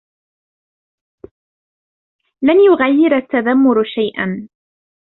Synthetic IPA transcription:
lanjʊɣajːɪɾat̪ːaðamːʊɾʃajʔa̰n

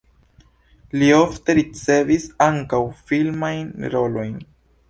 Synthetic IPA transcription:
liofte̞ɾit͡se̞visaŋkawfilmajnɾo̞lo̞jn

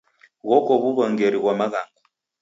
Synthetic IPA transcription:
ɣɔkɔβuβaŋɡeɾiɣwamaɣaːŋɡa

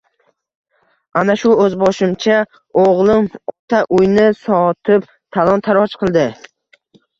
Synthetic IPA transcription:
anaʃʊɵzbɒʃɪmt͡ʃʰa | oʁlˠɪmɔt̪ʰaʔʊjnɪsɒt̪ʰɪp | t̪ʰalˠɒnt̪ʰaɾɒt͡ʃqʰɨlˠd̪ɪ

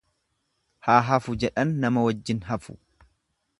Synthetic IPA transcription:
haːɦɐfʊd͡ʒɛᶑɐnːɐmɐwɐd͡ʒːɪnɦɐfʊ̥̰

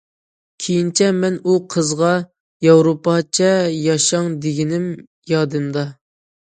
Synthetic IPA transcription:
kʲʰejint͡ʃʰɛmɛnuqʰəzʁɑ | jɑwɾopɑt͡ʃʰɛjɑʃɑŋd̪eɡʲinɪm | jɑd̪ɨnd̪ɑ

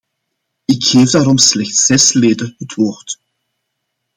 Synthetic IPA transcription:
ɪkxeːvdaːɾɔmslɛxtsɛsleːdəɦətʰʋoːrt

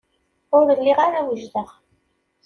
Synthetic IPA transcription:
ʊɾəlːiʁaɾawəʒd̪əʁ

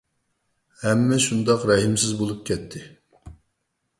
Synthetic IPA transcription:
hɛmːɛʃund̪ɑqɾɛɦimsɪzbolˠup̚kʲʰɛt̪ʰːɪ

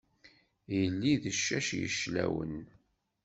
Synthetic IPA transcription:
jəlːiðəʃːæʃjə̰ʃlæwən

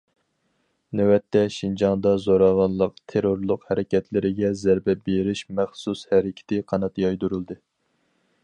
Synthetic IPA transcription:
næwɛt̪ːɛʃind͡ʒɑŋd̪ɑzoɾɑvɑnlˠəqt̪ʰeɾoɾlˠʊqhæɾɪkʲɛt̪ʰlɪɾɪɡʲɛzæɾbɛbeɾɪʃmæχsushæɾɪkʲʰɪ̥t̪ɪqʰɑnɑt̪jɑjd̪uɾulˠd̪ɨ

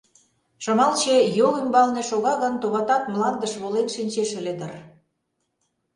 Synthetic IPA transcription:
ʃɤ̆mɑlt͡ɕejoɣymbɑlnĕʃoɣɑɣɤnt̪oβɑt̪ɑt̪mlɑnd̪əʃβolenʃinʲt͡ɕeʃĕled̪ə̆r

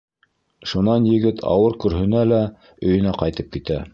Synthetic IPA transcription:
ʃunɑnjɘ̆ɡɘt̪ʰɑ̰wɤɾkɵ̆ɾɦɵ̆nælæ | ɵ̆jɵ̆næqɑjt̪ɤp̚kit̪æ

